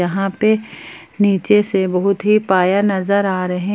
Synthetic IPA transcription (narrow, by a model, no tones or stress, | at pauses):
ɐɦãpe | niːt͡ʃesebɐɦʊt̪ɦipaːjanɐzəɾaːɾɐɦẽ